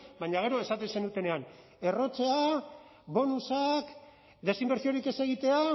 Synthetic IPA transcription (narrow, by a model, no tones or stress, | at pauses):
baɲaɣ̞e̞ɾo̞e̞sat̪ense̞nut̪e̞ne̞an | e̞ro̞t͡se̞a | βo̞nusak | d̪e̞simbe̞ɾsio̞ɾike̞se̞ɣ̞it̪e̞a